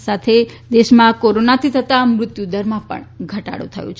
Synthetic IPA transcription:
sat̪ʰed̪eʃmãkoɾonat̪ʰit̪ʰət̪ãmɾʊt̪jud̪əɾmãpə̰ɳɡʱəʈa̰ɽṵ̃t̪ʰə̰jṵ̃t͡ʃʰ

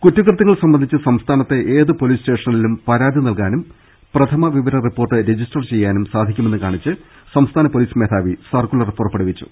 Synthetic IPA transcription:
kutːɐkrɨt̪ːɐŋɐɭsɐmbɐnd̪ʱit͡ɕːɨsɐmst̪ʰaːnɐt̪ːe̞ʔeːðɨpo̞liːsʈe̞ːʂɐnilumpɐɾaːd̪ʱinɐlkaːnum | prɐt̪ʰɐmɐʋiʋɐɾɐripːo̞ːrʈːɨɾe̞d͡ʑisʈɐrt͡ɕe̞jːaːnumsaːd̪ʱikʲːume̞nːɨkaːɳit͡ɕːɨ | sɐmst̪ʰaːnɐpo̞liːsmeːt̪ʰaːʋisɐrkuɭɐripːo̞ːrʈpeɽuʋit͡ɕːu̥̰

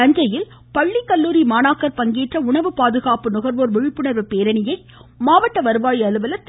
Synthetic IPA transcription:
ɐɲd͡ʒɐjɪl | pɐɭːikːɐlːuːɾimaːnaːkɐɾpɐŋɡiːʈrɐʊɳɐʋɯpaːðɯɣaːpɯnʊɣɐɾʋoːɾʋɪɻɪpːɯɳɐɾʋɯpeːɾɐnɪjɐɪ | maːʋɐʈːɐʋɐɾɯʋaːjiɐlɯʋɐlɐt̪

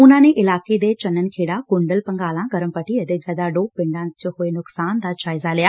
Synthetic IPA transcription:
ʊnãːnẽʔɪlaːked̪et͡ɕɐnənɪ̆kʰeːɽaɡʊɳɖəlpɐŋɡaːlãɡɐɾəmpɐʈiɐd̪ɪk̚ɡɐd̪aɖoːbɪ̃ɳɖãːt͡ɕəhʊenʊksaːnd̪aːt͡ɕaːɪzalijaː

